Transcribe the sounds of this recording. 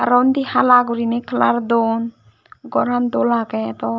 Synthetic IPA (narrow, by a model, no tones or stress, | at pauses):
ɾɔnd̪ihalaɡuɾinekʰlaɾd̪on | ɡɔɾand̪olakɛt̪ɔ